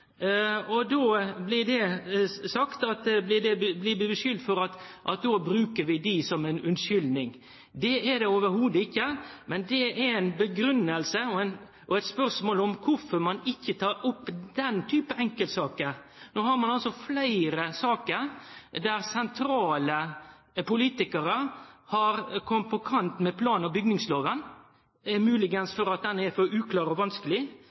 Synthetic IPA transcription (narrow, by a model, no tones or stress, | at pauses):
ɔd̪oːblɪd̪ɛsɑkt̪ɑt̪̚ɛblɪd̪ɛblɪbɪbəʃʏld̪fɔɾɑt̪ʔɑ̰t̪̚d̪oːbɾʉːkəɾʋɪd̪ɪsɔmɛnʉnʃʏld̪nɪŋ | d̪ɛɛd̪ɛoːʋəɾhuːd̪əɪkːəmɛnd̪ɛæɾɪnbəɡɾʉnːəlsəɔɛn | ʔɔɛt̪spœɾʂmoːlɔmkʰʊfɔɾmɑnɪçːət̪ʰɑːɾʊpːd̪̥ɛnt̪ʰyːpəɛŋkəlt̪sɑːkəɾ | noːhɑɾmɑnɑlsɔflæɪɾəsɑːkəɾd̪æɾsɛnt̪ʰɾɑːlə | pʊliːt̪ɪkəɾəhɑɾkʰɔmːt̪pʰɔkʰɑnt̪mɛpʰlɑːnɔbʏɡnɪŋsloːʋən | mʉːlɪɡənsfɔɾɑt̪̚d̪ɛnɛfɔɾʉːkʰlɑːɾɔʋɑnskəlɪ